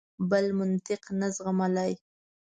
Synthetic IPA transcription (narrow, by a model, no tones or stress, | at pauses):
bəlmʊnt̪ɪqnazɣamalaj